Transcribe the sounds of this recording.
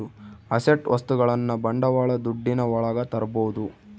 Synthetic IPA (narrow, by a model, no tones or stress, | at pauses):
uɐseʈʋɐst̪uɡɐɭɐnːɐbɐɳɖɐʋaːɭɐd̪uɖːinɐʋɔɭɐɡɐt̪ɐɾɐboːud̪u